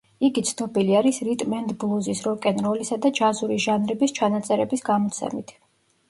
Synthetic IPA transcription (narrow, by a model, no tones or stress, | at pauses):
iɡit̪sʰnɔbiliaɾisɾit̪ʼmɛnd̪blˠuzisɾɔkʼɛnɾɔlisad̪ad͡ʒazuɾiʒanɾɛbist͡ʃʰanat̪sʼɛɾɛbisɡamɔt̪sʰɛ̰mit̪ʰ